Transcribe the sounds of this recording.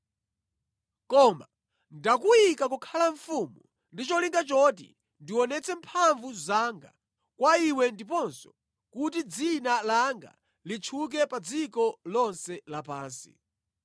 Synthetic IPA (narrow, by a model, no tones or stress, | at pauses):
kɔma | ndakujikakukʰalaɱfumu | ndit͡ʃɔliŋɡat͡ʃɔt̬ḭ | ndiwɔnɛt͡sʰɛmpʰaɱvuzaŋɡa̰ | kwaiwɛndip̬ɔnsɔ̥ | kutid͡zinalaŋɡa̰ | lit͡ʃʰuk̬ɛpad͡zikɔlɔnsɛlapaːnsḭ